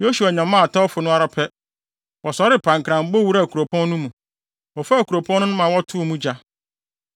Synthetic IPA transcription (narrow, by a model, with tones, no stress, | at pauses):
jo˦su˨a˨ɲã˨mã˦a˨tʰa˦ɔ˦fʊ˨nʊ̃˦a˦ɾa˨pʰɛ˦ | wɔ˨sɔ˨ɾɪ˦pʰã˨ŋkʰɾã˨m̩˦bo˦wu˦ɾa˦˨kʰu˨ɾo˨pʰɔ̃˦n˦nũ˦mũ˨ | ɔ˨fa˦˨kʰu˨ɾo˨pʰɔ̃˦nːʊ̃˦nʊ̃˦mã˨wɔ˦tʰʊ˦˨mũ˦d͡ʑa˨